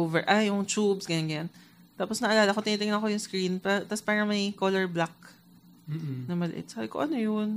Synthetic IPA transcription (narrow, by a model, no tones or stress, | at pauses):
ovɛɹʔajʊŋt͡ʃubsɡɐnɐŋɡɐjan | t̪aːposnɐʔɐlaːlɐkot̪ɪniːt̪ɪŋnɐko̞jʊŋskɹinpat̪ɐspaːɾɐmɐjkolɛɹblak̚ː | nɐmɐlɛ̰ʔɪ̰t̪̚saːbɪko̰ʔɐnojʊn